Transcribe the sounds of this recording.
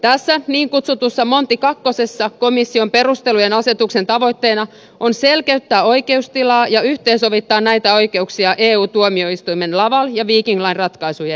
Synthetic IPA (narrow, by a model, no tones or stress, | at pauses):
t̪æsːæniːŋkut̪sut̪usːɑmont̪ːikɑkːosesːɑkomisːiompe̞rust̪elujenɑset̪uksent̪ɑʋo̞it̪ːeːnɑ | ʔonselkeyt̪ːæːo̞ike̞ust̪ilɑːjɑyht̪eːnsoʋit̪ːɑːnnæit̪æo̞ike̞uksiɑʔeːuːt̪uomio̞ist̪uimenlɑʋɑljɑʋiːkiŋɡlɑinrɑt̪kɑisujɑ